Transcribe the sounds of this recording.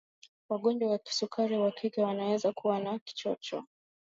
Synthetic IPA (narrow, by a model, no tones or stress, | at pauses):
waɠɔɲd͡ʒwawaki̥sukʰaɾiwakʰikɛwanawɛzakuwanaki̥t͡ʃɔt͡ʃɔ̰